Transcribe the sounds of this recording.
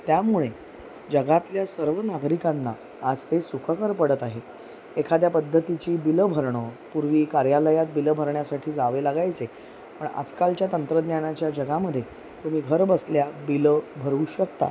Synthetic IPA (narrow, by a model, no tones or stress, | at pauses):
t̪jamuɭe | d͡ʑəɡat̪ljasəɾʋənaɡɾikanːa̰ː | d͡zt̪esukʰəkəɾpəɽət̪aɦe | ekʰad̪japəd̪ʱːət̪it͡ɕiːbiləbʱəɾɳəpuɾʋiːkaɾjaləjat̪̚biləbʱəɾɳjasaʈʰiːd͡zaʋelaɡajt͡se | pəɳa̰d͡zkalt͡ɕjat̪ənt̪ɾəd̪njanat͡ɕjad͡ʑəɡaməd̪ʱːje | t̪um̤iːɡʱəɾbəsljabiləbʱəɾuːɕəkt̪a̰